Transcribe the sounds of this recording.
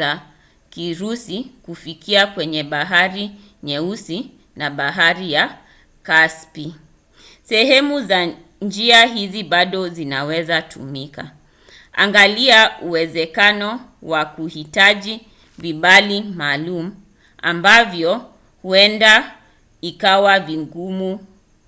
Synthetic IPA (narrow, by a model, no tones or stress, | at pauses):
a | kiɾusikufikiakwɛɲɛɓaɦaɾi | ɲɛusi | naɓaɦaɾija | kaspi | sɛɦɛmuza | nd͡ʒiaɦiziɓaɗɔzinawɛzatʰṵmika̰ | a̰ŋɡaliauwɛzɛkanɔ | wakuhitaʄi | viɓalimaːlumu | a̰mbavjɔ | huɛnda | ikawaviŋɡumu